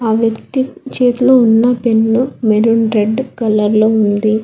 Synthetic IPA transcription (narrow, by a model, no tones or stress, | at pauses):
aːʋjɐkt̪it͡ʃeːt̪uloːunːɐpenːumeɾuɳɾeɖkɐlɐɾloːund̪i